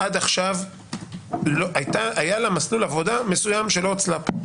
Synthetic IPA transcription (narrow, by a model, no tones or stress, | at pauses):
ad̪aχʃav | loʔajt̪aajalamaslulavo̞d̪ame̞sujamʃelo̞t͡slap